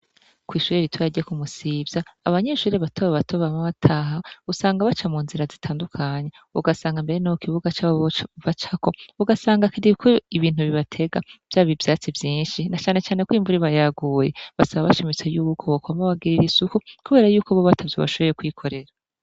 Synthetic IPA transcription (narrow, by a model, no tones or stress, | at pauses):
kwiːʃuɾeɾitwaɟiekumusibjaːβaɲeːʃuːɾiβatʰoweβatʰoβamaβatʰaɦausaːŋɡaβat͡ʃamuːnziɾazitʰaːndukʰaɲe̞ | uɡasaːŋɡambe̞ɾenaokiβuɡat͡ʃaβat͡ʃako̞uɡasaːŋɡakidikʰoiβiːn̥uβiβatʰe̞ɡav̥jaːβivjaːt͡sivjiːnʃinat͡ʃaːne̞t͡ʃaːne̞kwiːɱvuɾiβajaɡujeβasaβaβaʃimit͡sejuːkʰoβokoamaβaɡiɾiɾisukukuβe̞ːɾajuːkoβoβatʰavjoβa̰ʃo̞βo̞ɾekwikʰo̞ɾe̞ɾa